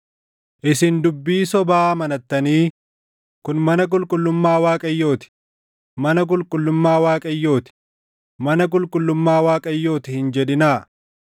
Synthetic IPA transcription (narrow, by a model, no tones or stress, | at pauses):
ʔɪsɪnd̪ʊbːiːsɔbaːmɐnɐt̪ːɐniː | kʊnmɐnɐk̬ʼʊlkʼʊlːʊmːaːwaːkʼɐjːo̞ːt̪ɪ̥ | mɐnɐk̬ʼʊlkʼʊlːʊmːaːwaːkʼɐjːo̞ːt̪ɪ̥ | mɐnɐk̬ʼʊlkʼʊlːʊmːaːwaːkʼɐjːo̞ːt̪ɪhɪnd͡ʒɛd̪ɪnaː